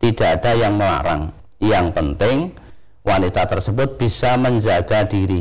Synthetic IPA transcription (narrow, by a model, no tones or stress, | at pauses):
t̪ida̤ːd̥ajaŋməla̰ɾa̰ŋ | jaŋpənt̪ɪŋ | wanit̪at̪ərsəbʊt̪̚b̥isaməɲd͡ʒaɡ̥adiɾi